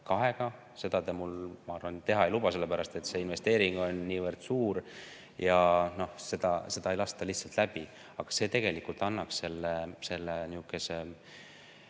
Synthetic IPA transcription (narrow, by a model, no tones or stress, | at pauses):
kɑɦe̞ɡ̥ɑ | se̞d̪̥ɑt̪emulmɑɑrvɑnt̪e̞ɦɑejlubɑse̞lːe̞pæɾɑst̪e̞t̪se̞ːinve̞st̪e̞ːɾiŋɡ̥o̞nːiːvərd̪̥suːɾ | jɑno̞hse̞d̪̥ɑse̞d̪̥ɑe̞jlɑst̪ɑliht̪sɑlt̪læb̥i | ɑɡ̥ɑ̥se̞ːt̪e̞ɡ̥e̞likult̪ːˑɑnːɑksse̞lːese̞lːeniukːˑese